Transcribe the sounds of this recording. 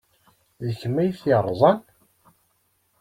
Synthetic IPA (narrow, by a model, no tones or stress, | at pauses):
ðəçmːæjθiɾˤːzˤɑn